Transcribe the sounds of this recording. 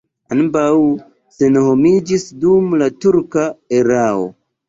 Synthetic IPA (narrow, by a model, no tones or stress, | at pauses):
anbaw | senho̞mid͡ʒisdumlatuɾkaeɾao̞̰